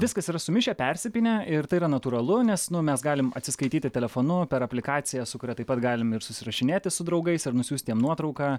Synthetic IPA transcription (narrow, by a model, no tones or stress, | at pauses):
ʋʲɪskɐsiːɾɐsʊmʲɪʃʲɛpʲɛɾʲsʲɪpʲɪnʲɛɪrt̪ɐɪːɾɐnɐt̪uːɾɐlˠʊnʲɛsnʊmʲɛsɡɑːlʲɪmɐ̰t̪ʲsʲɪskɐɪt̪ʲiːt̪ʲɪt̪ʲɛlʲɛfoːnʊpʲɛɾɐpʲlʲɪkɑːt̪sʲɪjɛsʊkʊɾʲɛt̪ɐɪpɐt̪ɡɑːlʲɪmɪɾsʊsʲɪɾɐʃʲɪnʲeːt̪ʲɪsʊd̪ɾɐʊɡɐɪsɪɾnʊsʲuːsʲt̪ʲiɛmnuɔt̪ɾɒʊkɑː